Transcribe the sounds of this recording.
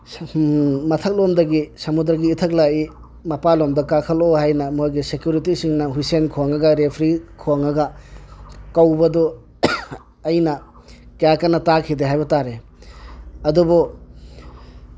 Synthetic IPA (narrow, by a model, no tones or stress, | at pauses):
mɐtʰɐk̚lomdɐɡisɐmud̪ɾaɡiːtʰɐk̚lai | mɐpalomdɔkakʰɐlohajnɐmojɡisekjuɾitisiŋnɐɦujsenkʰoŋɐɡɐɾepʰɾikʰoŋɐɡɐ | kawbɐdɔ | ɐjnɐ | kajakanɐtakʰideɦajbɐtaɾe | ɐdubɔ